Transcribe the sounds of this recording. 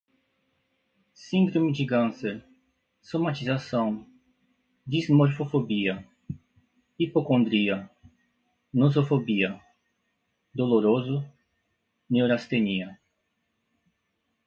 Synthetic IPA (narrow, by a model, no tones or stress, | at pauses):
sĩnd̪ɾomɪd͡ʒɪkɐ̃nseɾ | somat͡ʃizasɐ̃w̃ | d̪izmoɾfofobiɐ | ipokõnd̪ɾiɐ | nozofobiɐ | d̪oloɾozʊ | newɾast̪eniɐ